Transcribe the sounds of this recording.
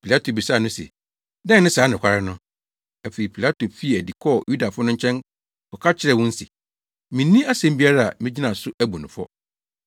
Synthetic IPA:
pʰi˨la˦tʰo˨bi˨sa˦˨nʊ̃˦sɛ̰˨ | dɛ̃˦˨˦nɪ̃˦saː˨˦nʊ̃˨kʰʷa˨ɾɪ˦nʊ̃˦ | æ˨fe˨i˨pʰi˨la˦tʰo˨fi˦e˨æ˨di˨kʰɔ˦˨ju˦da˨fʊ˦nʊ̃˦ɲ̩˦t͡ɕʰɛ̃˦n | kɔ˨kʰa˦t͡ɕʰɪ˦ɾɛ˦˨wʊ̃˦n̩˦sḭ˨ | mɪ̃˨nĩ˦a˦sɛ̃˦m˦bi˦a˦ɾa˦a̰˨mɪ̃˦d͡ʑi˦nã˨sʊ˦ʔæ˦bu˨nʊ̃˨fɔ̰˦

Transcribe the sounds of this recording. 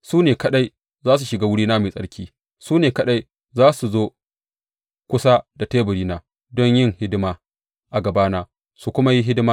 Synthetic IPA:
suː˦neː˨kɐ˦ɗa˦j | zaː˦s̬u˨ʃɪ˨ɡaː˦wʊ˦ɽiː˦naː˦me˨sʼɐ̰˦ɽkʲʰiː˦ | suː˦neː˨kɐ˦ɗa˦j | zaː˦su˨zoː˦ | kʷʊ˦sa˦da˨teː˦bʊ˨ɽiː˦naː˨ | dɔ˦ɲjɪ˦ŋhɪ˦dɪ˦maː˨ | ʔa˨ɡɐ˨baː˦naː˦ | su˨kʷʊ˦ma˦ji˦ɦɪ˦dɪ˦maː˦

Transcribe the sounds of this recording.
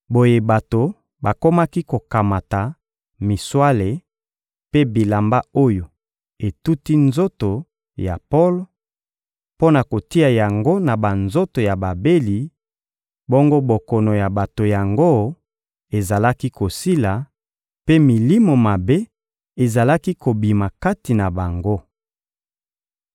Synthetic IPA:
bo˦je˦ba˨to˨ | ba˨ko˦ma˦ki˦ko˨ka˨ma˨ta˨ | mi˨swa˦le˨ | pe˦bi˨la˨mba˦o˦jo˨ | e˨tu˦ti˦nzo˦to˨ | ja̰˨po˦lo˨ | po˦na˨ko˨ti˦a˨ja˨ŋɡo˦na˨ba˨nzo˦to˨ja˨ba˨be˦li˨ | bo˦ŋɡo˦bo˨kɔ˨no˨ja˨ba˨to˨ja˨ŋɡo˦ | e˨za˨la˦ki˦ko˨si˦la˨ | pe˦mi˨li˦mo˨ma˨be˦ | e˨za˨la˦ki˦ko˨bi˨ma˨ka˦ti˨na˨ba˨ŋɡo˦

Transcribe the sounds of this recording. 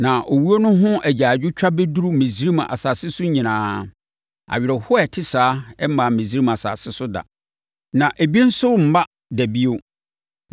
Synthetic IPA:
nã˨ʔo˨wu˦o˦nʊ̃˦ɦʊ̃˦ʔæ˨d͡ʑaː˨d͡ʑᶣʊ˦t͡ɕᶣa˦be˦du˦ɾu˦mẽ˨si˦ɾi˦m˨a̰˨saː˨sɪ˦sʊ˦ɲĩ˨nãː˨˦ | a̰˨ɥɪ˨ɾɛ˨hʊ˦ɛ˨tʰɪ˦saː˨˦ɛ˦mã˨mẽ˨s̬i˦ɾi˦ma˨sa̰˨sɪ˦sʊ˦da̰˨ | nã˨ʔæ˨bi˦n̩˦sʊ˦m̩˨ba˦ | dæ˨bi˦o˦

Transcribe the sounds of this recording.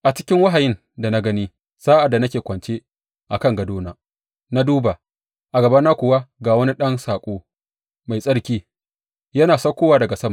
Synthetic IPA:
ʔa˨t͡ʃɪ˦kʲɪ˦ŋwa˦ɦa˨jɪ˦n | da˨na˦ɡɐ˦niː˦ | z̥aː˦ʔa˨dːa˨nɐ˦kʲeː˨kʷɐ˨nt͡ʃeː˦ | ʔa˨kɐ˦˨ŋɡɐ˨doː˦naː˨ | na˦duː˦ba˨ | ʔa˨ɡɐ˨ba˦nːaː˦kʷʊ˨wa˦ɡaː˨wɐ˦ni˦ɗɐ˦nsaː˨kʷʼoː˦ | ma˨jsʼɐ˦ɽkʲiː˦ | jɐ˦naː˨sɐ˦kʷoː˦waː˨dɐ˨ɡa˨sɐ˦ma˨

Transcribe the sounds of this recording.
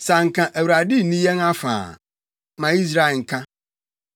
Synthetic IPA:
sa˨ŋ̩˨kʰã˨ʔæ˨wɾa˨di˦nĩ˦jɛ˦ŋã˦fã̰ː˨ | mã˨i˦s̬ɾa˦e˨ŋ̩˨kʰã˦

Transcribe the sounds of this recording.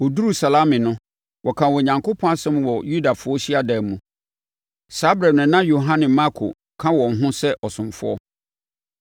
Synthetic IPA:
wɔ˨du˦ɾu˨sa˨la˦mɪ̃˨nʊ̃˦ | wʔɔ˨kʰã˨wɔ˨ɲã˨ŋkʰo˦pʰɔ̃˦a˦sɛ̃˦mwɔ˨ju˦da˨fʊ˦ɔ˦ɕi˦a˦dɛ˨mũ˨ | sa˦bɾa˨nʊ̃˨nã˦jo˨ɦã˦nɪ̃˨ma˦kʰo̰˨ | kʰã˦wɔ̃˨n˨ɦʊ̃˦sɛ˦ʔɔ˨sʊ̃˨mfʊ̰˦ɔ̰˦

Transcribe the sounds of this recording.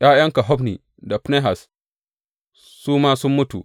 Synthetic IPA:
jaː˦jɐ˦ŋka˨ɦɔ˦ɸnḭː˨ | da˨pne˦ɦa˨s | suː˦maː˦sʊ˦mːʊ˦tṵ˨

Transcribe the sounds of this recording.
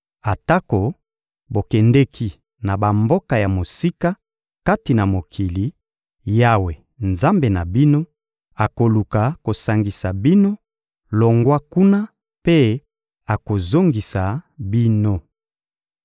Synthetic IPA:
a˨ta˦ko˨ | bo˨kɛ˨nde˦kʰi˦˨ | na˨ba˨mbo˦ka˨ja˨mo˨si˦ka˦ | ka˦ti˨na˨mo˨kʰi˨li˨ | ja˦we˨ | nza˦mbe˨na˨bi˦no˦ | a˨ko˨lu˨ka˨ko˨sa˨ŋɡi˨sa˨bi˦no˦ | lo˨ŋɡwa˦ku˦na˦ | pe˦ | a˨ko˨zo˦ŋɡi˨sa˨bi˦no˦

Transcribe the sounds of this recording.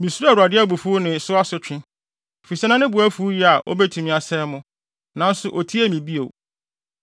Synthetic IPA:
mĩ˨su˦ɾu˦a˨ɾu˨a˨dɪ˦a˦bu˨fu˦nɪ̃˨sʊ˦a˦sʊ˨t͡ɕᶣɪ̃˦˨ | fi˨sɛ˦nã˦nɪ̃˦bʊ˨æ˦fu˦ji˦a˨ʔo̰˦bɛ˦tʰũ˨mĩ˨a˨sɛ˦mʊ̃˦ | nã˨˦n̩˦sʊ˦ʔo˨tʰi˦æ˦˨mĩ˨bi˦o̰˨

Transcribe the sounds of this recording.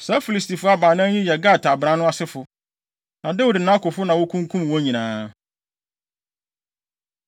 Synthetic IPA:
sa˦fi˦li˨sti˨fʊ˦a˦baː˨nã˦ɲĩ˦jɛ˨ɡa˦˨tʰa˨bɾã˦nʊ̃˦a˦sɪ˦fʊ˨ | nã˨dɛ˦wʊ˨dɪ˨nã˦kʊ˨fʊ˦nã˨wʊ˦kʰũ˦ŋ˦kʰũ˦m˨wɔ̃˦ɲĩ˨nãː˨

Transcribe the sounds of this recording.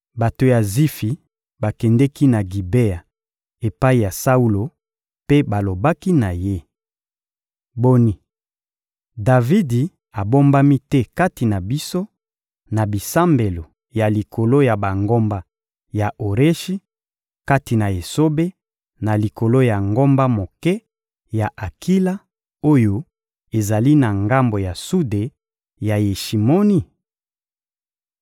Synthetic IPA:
ba˨to˨ja˨zi˦fi˨ | ba˨kɛ˨ndɛ˦ki˦na˨ɡi˨be˦a˨ | e˨pa˦i˨ja˨sa˦u˦lo˨ | pe˦ba˨lo˨ba˦ki˦na˨je˦ | bo˦ni˦ | da˨vi˦di˨ | a˨bo˦mba˦mi˦tɛ˦ka˦ti˨na˨bi˦so˦ | na˨bi˨sa˦mbe˨lo˨ | ja˨li˨kʰo˨lo˦ja˨ba˨ŋɡo˦mba˦ | ja˨ʔo˨ʁe˦ʃi˦ | ka˦ti˨na˨e˨so˦be˦ | na˨li˨ko˨lo˦ja˨ŋɡo˦mba˦mo˨kɛ˦ | ja˨ʔa˨ki˦la˦ | o˦jo˦ | e˨za˨li˦na˨ŋɡa˦mbo˨ja˨su˦de˨ | ja˨je˨ʃi˨mo˦ni˦˨

